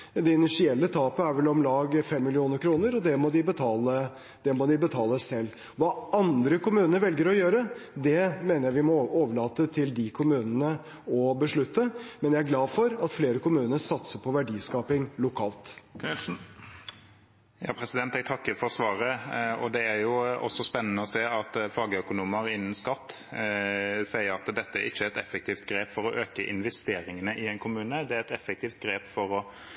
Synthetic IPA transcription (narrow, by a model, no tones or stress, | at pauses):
d̪ɛɪnɪʂɪɛlːət̪ʰɑːpəæɾʋɛlɔmlɑːɡfɛmːɪlɪuːnəɾkʰɾuːnəɾɔd̪ɛmɔd̪ɪbət̪ʰɑːlə | d̪̥ɛmɔd̪ɪbət̪ʰɑːləsɛlː | ʋɑːɑnd̪ɾəkʊmʉːnənəʋɛlɡəɾɔjøːɾəd̪ɛmeːnəjæɪʋɪmɔoːʋəɭɑːt̪ət̪ʰɪld̪ɪkʰʊmʉːnənə | ɔbəʂɭʉt̪ʰːəmɛnjæɪæɾɡlɑːdfɔɾɑt̪fleːɾəkʊmʉːnəɾsɑt̪səpʰɔʋæɖiːskɑːpɪŋlʊkʰɑːlt̪ | jɑ̰ːpʰɾɛsɪd̪ɛnt̪ɛɡ̚t̪ʰɑkːəɾfɔʁsʋɑːɾəɔd̪ɛæɾjʊɔ̰sːɔspɛnːənəɔseːɑt̪fɑːɡəœkʊnuːməɾɪnːən̩skɑt̪ː | sæɪəɾɑt̪d̪ɛt̪ːəæɾɪçːəɛt̪ɛfɛk̚t̪ʰiːft̪ɡɾeːpfɔɾɔʔøːkəʔɪ̰nʋɛst̪eːɾɪŋənəʔɪɛɪnkʰʊmʉːnəd̪ɛæɾɛt̪ɛfɛk̚t̪iːft̪̚ɡɾeːpfɔɾɔ